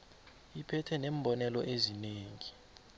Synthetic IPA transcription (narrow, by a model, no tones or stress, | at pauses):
ipʰɛtʰɛneːmbʱɔnɛlɔʔezineːŋi